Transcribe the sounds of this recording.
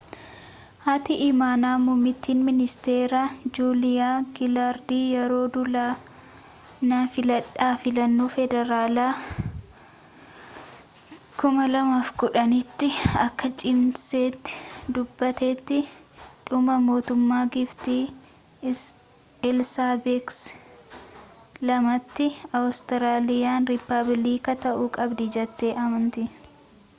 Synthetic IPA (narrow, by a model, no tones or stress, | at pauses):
hɐt̪ɪʔɪmaːnaːmʊmːɪt̪ːiːnmɪnɪst̪eːɾad͡ʒuːlɪjaːɡɪlaːɾd̪iːjɛɾo̞ːd̪ʊlaː | nɐfɪlɐᶑaːfɪlɐnːuːfɛd̪ɛɾaːlaː | kʊmɐlɐmaːfɡʊᶑɐnɪt̪ːɪɐkːɐt͡ʃʼɪmseːt̪ːɪ̥d̪ʊbːɐt̪eːt̪ːɪᶑʊmɐmo̞ːt̪ʊmːaːɡɪft̪iː | ɛlsaːbeks | lɐmɐt̪ːɪɐwst̪ɪɾaːlɪjaːnɾɪpːɐbliːkɐt̪ɐʔuːkʼɐbd̪ɪd͡ʒɛt̪ːeːʔɐmɐnt̪ɪ